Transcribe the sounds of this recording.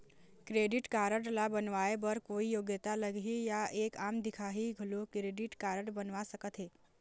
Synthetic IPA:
kɾeɖiʈkaɾəɽlabənʋaebəɾkoijoɡjət̪aləɡijaʔekamd̪ikʰaɦiɡʱəlokɾeɖiʈkaɾəɽbənʋasəkət̪ɦe

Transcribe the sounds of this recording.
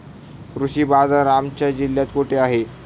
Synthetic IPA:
kɾuɕiːbad͡zaɾamt͡ɕjad͡ʑiljat̪koʈʰeaɦe

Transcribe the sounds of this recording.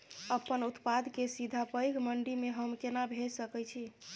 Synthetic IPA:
əpənut̪pad̪kesid̪ʱapəjkməɳɖimeɦəmkenabʱed͡ʒsəkɛjt͡ʃʰi

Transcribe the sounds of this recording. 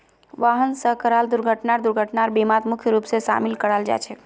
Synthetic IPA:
ʋaɦənsəɦkəɾald̪uɾɡʱəʈnaɾd̪uɾɡʱəʈnaɾbimat̪mukʰjəɾupsesa̰milkəɾald͡ʒa̰t͡ʃʰɛ

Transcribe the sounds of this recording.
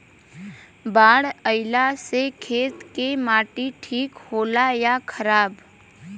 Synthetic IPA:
baːɽəɪlasekʰeːt̪kemaːʈiʈʰiːkhoːlajakʰəɾaːb

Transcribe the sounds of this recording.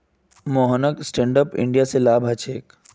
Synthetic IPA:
moːɦənəksʈẽːɳɖəpɪ̰̃ɳɖijaselaːbʱɦɐt͡ʃʰeːk

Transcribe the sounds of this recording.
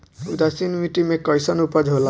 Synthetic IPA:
ud̪asinmiʈimekɔjsɔnupɔd͡ʒɦola

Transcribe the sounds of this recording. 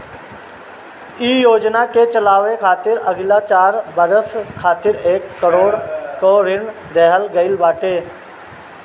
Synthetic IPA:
iːjoːd͡ʒnaket͡ʃəlaːʋekʰaːt̪ɪɾɐɡlat͡ʃaːɾbəɾəskʰaːt̪ɪɾeːkːəɾoːɽkoɾɪɳ | d̪ɛɦəlɡəɪlbaːʈeː

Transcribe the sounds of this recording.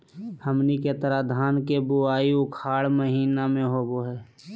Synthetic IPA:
həmniket̪əɾad̪ʱaːnkebʊaːiʊkʰaːɽməɦiːnamẽɦoːboɦɛː

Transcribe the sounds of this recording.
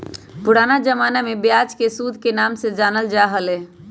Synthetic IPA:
pʊɽaːnad͡ʒəmaːnamebjaːd͡ʒkesud̪ʱkenaːmsed͡ʒaːnəld͡ʒaːɦəlɛː

